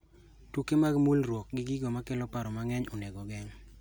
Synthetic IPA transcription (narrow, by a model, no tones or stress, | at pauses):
tukemaɡmulɾwok̚ɡɪɡɪɡɔmakɛlɔpaɾɔmaŋɛɲɔnɛɡɔɡɛŋ